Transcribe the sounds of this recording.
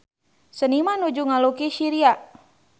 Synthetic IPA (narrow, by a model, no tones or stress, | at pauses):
sənimanud͡ʒuŋalukisiɾia